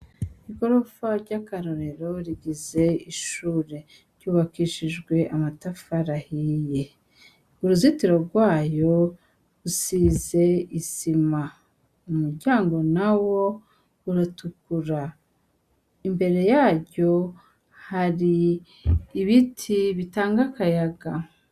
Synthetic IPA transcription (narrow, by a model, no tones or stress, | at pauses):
iko̞ɾofaɾɟakaɾoɾe̞ɾo̞ɾiɡize̞iʃuːɾe̞ | ɾjuːβakiʃiʒɡwe̞ʔamatafaɾahije | uɾuzitiɾo̞ɾɡwaːjo̞ | usiːze̞izima | umuɾɟaːŋɡo̞nawo̞ | uɾatukuɾa | imbe̞ɾe̞jaːɾɟo̞ | haɾiː | βitʰiβitaːŋɡakajaɡa